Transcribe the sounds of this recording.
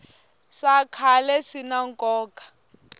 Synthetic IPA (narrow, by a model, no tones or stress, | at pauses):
ʂakʰalɛʂinaŋkʼɔːkʼḁ